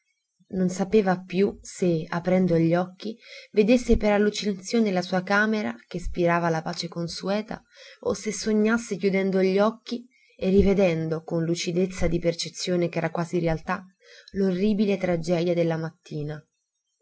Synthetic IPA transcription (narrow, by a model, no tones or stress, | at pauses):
nonsapeːvapjuseapɾɛnd̪oʎːɔkːived̪esːepeɾalːut͡ʃinat̪sːjoːnlasuːakaːmeɾa̰kespiɾaːvalapaːt͡ʃekonsuɛːt̪a̰ | osesːoɲːasːekjud̪ɛnd̪oʎːɔkːi | erːived̪ɛnd̪okonlut͡ʃid̪et̪sːad̪ipert͡ʃet̪sːjoːnekɛːɾakwaːziɾealt̪a | lorːiːbilet̪ɾad͡ʒɛːd̪jad̪elːamat̪ːiːna